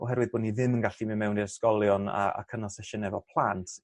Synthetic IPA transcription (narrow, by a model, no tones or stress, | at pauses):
ɔ̰ɦɛɾwɨðboːdniðɪmənɡaɬiməmɛwndiɾskɔlˠjɔna̰a̰kʰənalˠsɛʃənɛvɔpʰlˠantʰ